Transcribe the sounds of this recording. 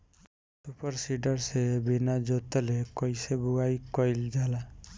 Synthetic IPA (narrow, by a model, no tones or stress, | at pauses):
supəɾsiɖəɾsebinad͡ʒot̪elekɔjsebuɡajkɔjld͡ʒala